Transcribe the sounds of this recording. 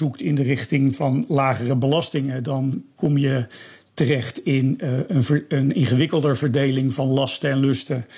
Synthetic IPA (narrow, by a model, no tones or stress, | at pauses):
uktɪndərɪχtɪŋvɑnlaːχərəbəlɑstɪŋədɑnkɔmjə | tərɛχtɪnənəənɪnχəʋɪkəlˠdəɹvəɹdejlɪŋvɑnlɑstəɛnlɵstə